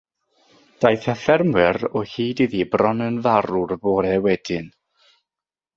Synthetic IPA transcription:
d̥ajθafɛrmwɪɾɔhiːdiðibrɔnənvaɾurbɔːɾɛwɛd̥ɪn

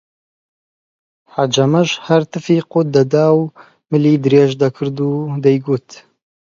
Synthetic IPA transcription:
ħad͡ʒɐmɐʒhɐɾt̪ɨfiːqot̪̚d̪ɐd̪aːw | mɨliːd̪ɨɾeːʒd̪ɐkʰɨɾd̪uːd̪ɛjɡuːt̪

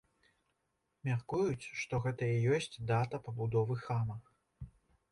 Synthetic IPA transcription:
mʲarkujut͡sʲʂt̪ɔɣɛt̪ɐijɔsʲt͡sʲd̪at̪ɐpɐbud̪ɔvɨxamɐ

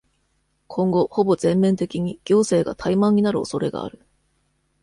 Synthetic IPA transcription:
kʰõ̞ŋɡo̞ho̞bo̞zẽ̞mːẽ̞nt̪e̞kʲiɲ̟iɡ̥ʲo̞ːse̞ːɡa̰t̪ʰaimãɲ̟inaɾɯ̟o̞so̞ɾe̞ɡa̰ːɾɯ̟

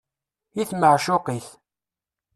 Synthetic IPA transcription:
iθməʕʃʊqiθ

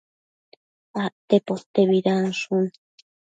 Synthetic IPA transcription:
aʔt̪epot̪eβiɾansun

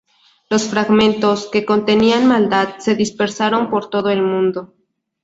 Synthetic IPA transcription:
lo̞sfɾaɣmẽ̞nt̪o̞ske̞ko̞nt̪e̞nianmald̪að̚se̞ðispe̞ɾsaɾo̞mpo̞ɾt̪o̞ðoe̞lmũnd̪o̞

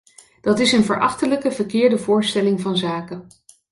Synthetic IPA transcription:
d̥ɑtɪsənvəɹʔɑχtələkəvəɹkɪːɹdəvʊːɹstɛlɪŋvɑnzaːkə

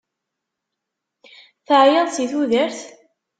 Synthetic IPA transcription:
θəʕjəðsiθuðəɾθ

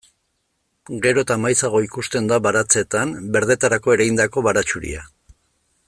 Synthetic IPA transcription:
ɡe̞ɾoet̪amajsaɣ̞o̞ikust̪e̞nd̪aβaɾat͡se̞t̪ambe̞ɾðe̞t̪aɾako̞e̞ɾajnd̪ako̞βaɾat͡ʃuɾḭa

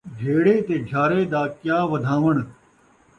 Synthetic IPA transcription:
ɡʱeːɽeːt̪eːd͡ʒʱaːɾeːd̪aːkjaːʋɐd̪ʱãːʋəɽ̃

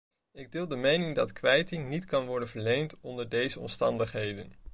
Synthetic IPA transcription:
ɪɡ̚dɪlˠdəmejnɪŋdɑtkʋɛjtɪŋnitkɑnʋɔɹdənvəɹlejntɔndəɹdejzəɔ̰mstɑ̰ndəχɦejdən

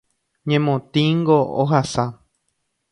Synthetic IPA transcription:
ɲẽmõt̪ĩŋɡoːɦasa

